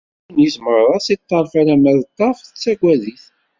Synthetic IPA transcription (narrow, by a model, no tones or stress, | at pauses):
njizməɾˤːɑsit̪ˤːɑɾˤfæɾæmæðt̪ˤːɑfθət͡sːæɡʷæðiθ